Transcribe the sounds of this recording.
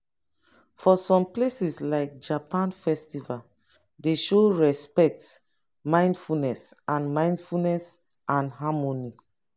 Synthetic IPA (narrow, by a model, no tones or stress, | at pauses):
fɔsɔ̃mplesislaɪk̚d͡ʒapãnfɛstival | deʃoɹɛspɛk̚t | mãɪ̃ndfulnɛsʔãnmãɪ̃ndfulnɛs | ʔãnɦamoni